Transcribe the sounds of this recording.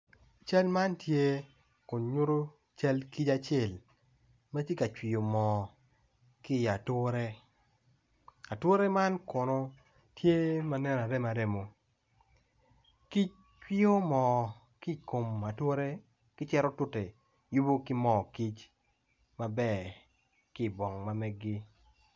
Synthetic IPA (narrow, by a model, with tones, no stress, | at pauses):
t͡ʃa˦lma˦ntje˦ | kʊ˨nɲʊ˦ɾo˦ | t͡ʃa˦lki˦t͡ʃa˦t͡ʃe˨l | ma˦tje˦ka˨t͡ʃwi˨o˨mɔ˨ | kɪ˦˨a˨two˦ɾe˦ | a˨two˦ɾe˦ma˦nko˨no˨ | tje˦ma˦nɛ˦na˨ɾɛ˦ma˨de˦mo˨ | ki˦t͡ʃ̚ | t͡ʃwi˦o˦mɔ˨ | ki˦˨ko˨ma˨two˦ɾe˦ | kɪ˦t͡ʃɛ˦ɾɔ˦tʊ˦te˨ | ju˦bo˦kɪ˦mɔ˨ki˦t͡ʃ | ma˦bɛ˦˨ | kɪ˦˨bɔ˨ŋma˨mɛ˦ɡɪ˦